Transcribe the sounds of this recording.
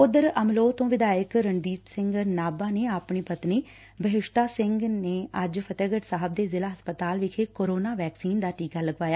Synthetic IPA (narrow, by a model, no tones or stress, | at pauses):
ʊd̪əɾəmloːt̪õːʋɪd̪aːjəkɾəɳd̪iːt̪sɪ̃ŋɡnaːbãːneːapɳiːpət̪niː | bəɦɪʃt̪aːsɪ̃ŋɡneːəd͡ʒpʰət̪eːɡəʈsaːɦəb̚d̪eːzɪlaːɦəspət̪aːlʋɪkʰeːkoːɾoːnaːʋɛːksiːnd̪aːʈiːkaːləɡʋaːjaː